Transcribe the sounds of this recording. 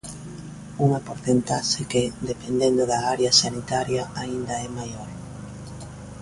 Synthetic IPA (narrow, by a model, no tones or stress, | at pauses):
uŋɐpoɾθent̪aʃekɪd̪epend̪end̪ʊðɐaɾjɐsanit̪aɾjɐaind̪ɐɛmajoɾ